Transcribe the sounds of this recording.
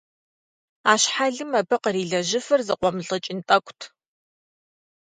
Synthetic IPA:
aːɕħaɮɨmɐbɐqəriːɮɐʒɪfɐrzɨqʷɔmɮʼɐt͡ʃʼɪntʼɐkʷʰʼtʰ

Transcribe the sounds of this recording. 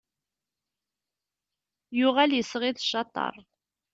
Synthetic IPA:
jʊʁæljəsəʁiðʃɑt̪ˤːɑ̰ɾˤ

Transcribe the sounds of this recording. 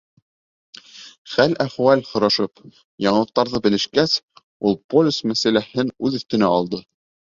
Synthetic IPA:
χælæχwælhŏɾɑʃɤp | jɑɴɤ̆lˠɤ̆q̚t̪ɑɾðɤbɘ̆lɘ̆ʃkæs | ulˠpolʲusmæsælæhɘnʉðɵ̆θt̪ɵ̆næɑlˠd̪ɤ

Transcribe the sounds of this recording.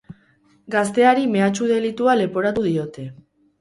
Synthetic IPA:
ɡast̪e̞aɾime̞at͡ʃuðe̞lit̪uale̞po̞ɾat̪uðio̞t̪e̞

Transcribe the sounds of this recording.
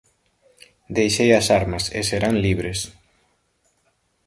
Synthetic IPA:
d̪ejʃejɐsaɾmɐsḛseɾaŋliβɾes

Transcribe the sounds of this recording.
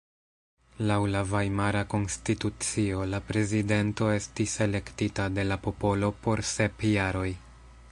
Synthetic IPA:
lawlavajmaɾako̞nstitut͡sio̞lapɾe̞zide̞nto̞e̞stise̞le̞ktitade̞lapo̞po̞lo̞po̞ɾse̞pjaɾo̞j

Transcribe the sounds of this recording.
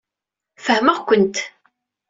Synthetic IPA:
fəhməʁkʷənt̪

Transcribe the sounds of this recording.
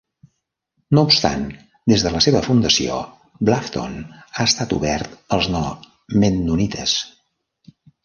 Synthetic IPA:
noupst̪a̰n | d̪ezðələseβəfund̪əsio̰ | blaft̪o̰naəst̪at̪ṵβɛrt̪əlˠznɔ | menːunit̪ʰəs

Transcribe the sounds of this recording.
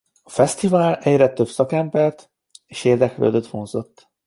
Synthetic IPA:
ɒfɛst̪ivaːlɛɟrɛt̪øbsɒkɛmbɛrt̪ | eːʃeːrd̪ɛklø̰ːd̪øt̪ho̞nzo̞t̪ː

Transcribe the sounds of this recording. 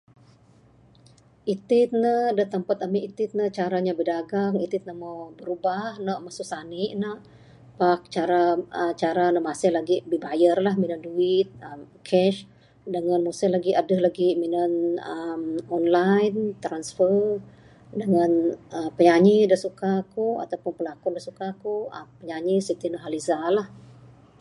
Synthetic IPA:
ʔit̪ɪt̪̚nədəht̪əmpat̪amiʔit̪ɪt̪̚nət͡ʃaɾaɲabədaɡaŋit̪ɪt̪̚nəmawbəɾubahnaʔmasusaniʔnəʔ | pak̚t͡ʃaɾaət͡ʃaɾanəʔmasɪhlaɡibibajərlahminənduɪt̪̚əmkʰɛʃ | dəŋanmusəhlaɡiʔadəhlaɡiminənəmɔnlajnt̪ɾansfər | dəŋanəpəɲaɲidəsukakua̰t̪awpʊnpəlakʊndəsukakuə̰pəɲaɲisit̪inɔʔɦalizalah

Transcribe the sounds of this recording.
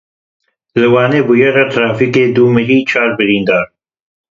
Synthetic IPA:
lɨwɑːneːbujɛrɛt̪ʰɾaːfikeːd̪uːmɨɾiːt͡ʃʰaːɾbɨɾiːnd̪ɑːɾ

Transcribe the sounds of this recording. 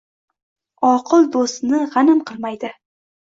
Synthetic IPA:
ɒqʰɨlˠd̪ost̪nɪʁɑnɪmqʰɨlˠmajd̪ɪ

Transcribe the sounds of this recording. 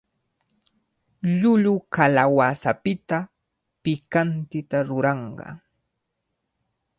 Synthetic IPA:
ʎʊʎʊkalawasapɪt̪a | pɪkant̪ɪt̪aɾʊɾɑɴɢɑ̰

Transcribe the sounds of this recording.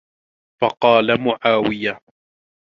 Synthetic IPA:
fɑqɑːlamʊʕaːwɪja

